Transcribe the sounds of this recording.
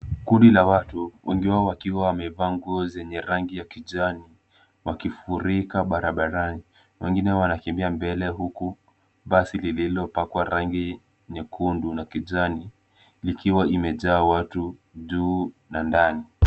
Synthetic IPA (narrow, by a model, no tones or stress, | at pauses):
kundilawatuwʔɛŋɡiwaɔwakiwawamɛvaːŋɡuɔzɛɲɛɾaŋɡijakiʄani | wakifuɾikaɓaɾaɓaɾani | wɛŋɡinɛwanakɛmbiambɛlɛɦuku | ɓasilililɔpakwaɾaŋɡi | ɲɛkʰundunakiʄani | likiwaimɛʄaːwatuʄuː | nandani